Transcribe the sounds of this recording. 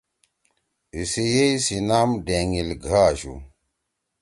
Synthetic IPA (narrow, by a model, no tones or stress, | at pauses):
isejejsinamdeŋilɡʱaʒṵ